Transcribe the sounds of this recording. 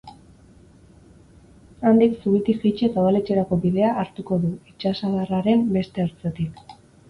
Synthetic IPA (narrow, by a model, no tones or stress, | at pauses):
and̪iksuβit̪ifit͡ʃesaβalet͡ʃe̞ɾako̞βiðe̞aʔːɾt̪uko̞ðuit͡ʃasaðaraɾe̞mbe̞st̪e̞aɾt͡set̪ik